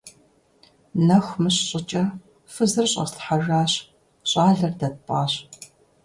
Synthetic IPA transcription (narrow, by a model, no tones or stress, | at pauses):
nɐxʷmɨɕɕʼɪt͡ʃʼɐ | fɨzɨrɕʼɐ̰sɬħaʒaːɕ | ɕʼɑːɮɐrdɐtpʼaːɕ